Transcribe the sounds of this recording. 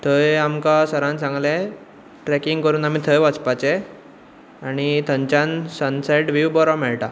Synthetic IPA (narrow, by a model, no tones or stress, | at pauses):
t̪ʰəjamkasəɾãnsãŋɡlẽ | ʈɾɛkiŋɡkəɾuːnam̤it̪ʰəjʋat͡spat͡ɕe | aɽ̃it̪əɲt͡ɕansənsajʈʋiʋbɔɾamɛɭʈa